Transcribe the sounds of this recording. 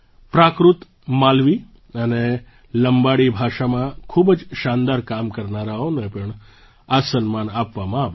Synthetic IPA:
pɾakɾut̪ | malʋi | əne | ləmbaɽibʱaʃamãkʰubd͡ʒʃãnd̪aɾkamkəɾnaɾaonepəɳ | asənmanapʋamãaʋ

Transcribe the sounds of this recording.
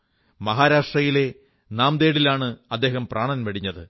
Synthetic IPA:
mɐɦaːɾaːʂʈrɐjile̞ | naːmd̪e̞ːɽilaːɳɨɐd̪ːe̞ːɦɐmpraːɳɐnʋɐɽiɲːɐðɨ

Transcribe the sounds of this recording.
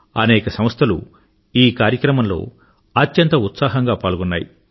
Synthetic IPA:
ɐnɛːkɐsɐm̃st̪ʰɐlṵ | iːkaːɾjɐkɾɐmɐmlo̞̰ː | ɐt̪jɐnt̪ɐut̪saːɦɐŋɡaːpaːlɡɔnːaːjḭ

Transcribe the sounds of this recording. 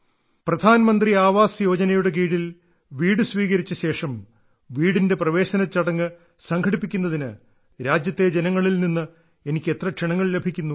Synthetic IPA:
prɐd̪ʱaːnɐmɐnd̪riaːʋaːsɨjo̞ːd͡ʑɐnɐjuɽek̬iːɽil | ʋiːɽɨsʋiːɣɐɾit͡ɕːɐɕe̞ːʂɐm | ʋiːɽinde̞prɐʋe̞ːɕɐnɐt͡ɕːɐɽɐŋːɨ | sɐŋkʰɐɽipːikʲːunːɐðinɨ | ɾaːd͡ʑjɐt̪ːe̞d͡ʑenɐŋːɐɭilninːɨ | e̞nikʲːe̞t̪rɐkʂiɳɐŋːɐɭle̞bʱikʲːunːu

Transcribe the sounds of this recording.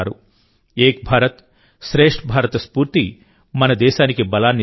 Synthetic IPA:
ɾṵ | eːk̚bʱaːɾɐt̪ | ʃɾeːʂʈbʱaːɾɐt̪ɐspuːɾt̪i | mɐnɐd̪ɛːʃaːnikibɐlaːnːi

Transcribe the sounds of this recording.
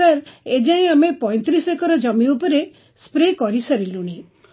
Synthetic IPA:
aɾed͡ʒaĩamepɔ̃jt̪ɾisekɔɾɔd͡ʒɔmiupɔɾe | spɾekɔɾisaɾiluɽ̃i

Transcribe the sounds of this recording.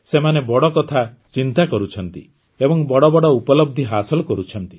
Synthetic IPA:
semanebɔɽɔkɔt̪ʰa | t͡ʃint̪akɔɾut͡ʃʰɔnt̪i | ebɔŋbɔɽɔbɔɽɔupɔlɔbd̪ʱiɦasɔlɔkɔɾut͡ʃʰɔnt̪i̥

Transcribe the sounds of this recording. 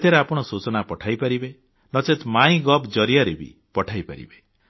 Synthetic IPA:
t̪ʰeɾeapɔɽ̃ɔsut͡ʃɔnapɔʈʰajpaɾibe | nɔt͡ʃet̪maĩɡɔbd͡ʒɔɾijaɾebḭ | pɔʈʰajpa̰ɾḭbe

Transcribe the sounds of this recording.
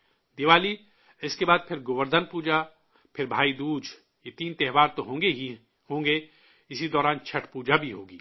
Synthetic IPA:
d̪ɪʋaːli | ɪskebaːd̪̚pʰɪɾɡʊʋəɾd̪ʱənpuːd͡ʒa | pʰɪɾbʱaːid̪uːd͡ʒ | jet̪iːnt̪ɛɦʋaːɾt̪oɦõːei | ɦõːŋɡe | ɪsid̪ɔːɾaːnt͡ʃʰɐʈʰpuːd͡ʒabʱiɦoːɡiː

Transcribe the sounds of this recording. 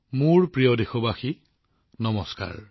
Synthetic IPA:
muɹpɹijɔdexɔbaxi | nɔmɔska̰ɹ

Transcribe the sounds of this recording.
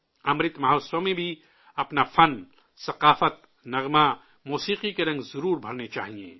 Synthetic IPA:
ɐmɾɪt̪maɦoːsomẽbʱi | ɐpnafɐn | sɐqaːfət̪ | nɐɣma | muːsiːqikeɾɐ̃ŋɡzɐɾuːɾbʱɐɾnet͡ʃa̰ːɦiḛ̃ː

